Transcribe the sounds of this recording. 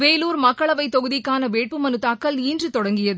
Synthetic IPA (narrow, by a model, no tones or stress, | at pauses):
ʋeːluːɾmɐkːɐɭɐʋɐɪt̪ːɔɣɯðɪkːaːnɐʋeːʈ̚pɯmɐnɯt̪ːaːkːɐlniːndrɯt̪ɔɽɐŋɡɪjɐðɯ